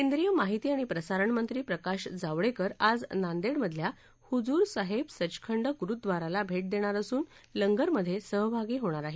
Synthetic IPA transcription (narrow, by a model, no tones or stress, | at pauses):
kend̪ɾijəmaɦit̪iːaɽ̃ipɾəsaɾəɳmənt̪ɾiːpɾəkaɕd͡zaʋɽekəɾad͡znand̪eɽməd̪ʱlja | hud͡zuːɾsaɦebsət͡ɕkʰəɳɖəɡuɾut̪̚d̪ʋaɾalabʱeʈ̚d̪eɽ̃aɾəsuːn | ləŋɡəɾməd̪ʱːjesəɦbʱaɡiːɦoɽ̃aɾaɦe